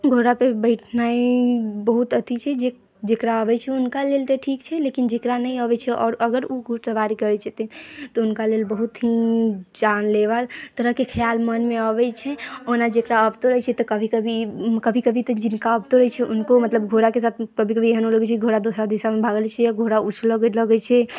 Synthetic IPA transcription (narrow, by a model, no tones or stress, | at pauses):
ɡʱoɾapebəɪʈʰnaibəɦut̪ət̪ʰit͡ʃʰɛd͡ʒe | d͡ʒekɾaəbɛt͡ʃʰɛunkalelt̪eʈʰikt͡ʃʰɛlekind͡ʒekɾanəĩəbɛt͡ʃʰɛʔɔːɾəɡəɾuɡʱusəʋaɾikəɾɛt͡ʃʰɛt̪ɛt̪ɔunkaleːlbəɦut̪ɦid͡ʒanleʋalt̪əɾəɦkekʰəjalmənmeəbɛt͡ʃʰɛonad͡ʒekɾaəbt̪oɾəɦɛt͡ʃʰɛt̪ɔkəbʱikəbʱikəbʱikəbʱit̪əd͡ʒɪnkaəbt̪oɾəɦɛt͡ʃʰɛʔunkomət̪ləbɡʱoɾakesaːt̪ʰkəbʱikəbʱieɦənoləɡɛt͡ʃʰɛkɡʱoɾad̪osad̪isamebʱaɡlt͡ʃʰɛjaɡʱoɾaut͡ʃʰləɡləɡɛt͡ʃʰɛ